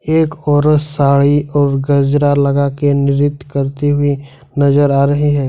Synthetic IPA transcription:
eːkɔːɾəsaːɭiɔːɾɡɐd͡ʒɾalɐɡakenɪɾɪt̪ːkɐɾt̪iɦʊi | nɐzəɾaːɾɐɦiɦɛː

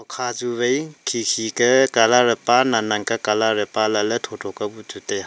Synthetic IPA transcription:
ɔkʰazubejkʰikʰikɐkalaɾəpananaŋkakalaɾəpalalɐtʰɔtʰɔkabutʰuteja

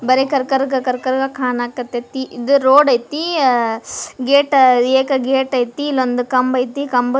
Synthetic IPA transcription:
bɐɾekɐɾkɐɾɡɐkɐɾkɐɾɡɐkʰaːnaːkːɐt̪ːɐt̪ːiʔid̪uɾoːɖɐjt̪i | ɡeːʈɐeːkɐɡeːʈɐjt̪ilond̪ukɐmbɐjt̪ikɐmb

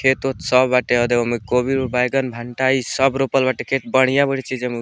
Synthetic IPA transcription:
kʰet̪ot̪səbːaʈeəd̪eomekobiɖbajɡənbʱaɳʈaisəbɾopəlbaʈekʰet̪̚bəɽ̤̃ijãbəɽt͡ʃʰid͡ʒem

